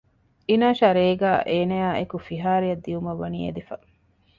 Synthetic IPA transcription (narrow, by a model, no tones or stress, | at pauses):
inaːʃɐɾeːɡaːʔeːnɐjaːekufiɦaːɾiɐd̪ːiumɐʋːɐnḭːḛd̪ifɐ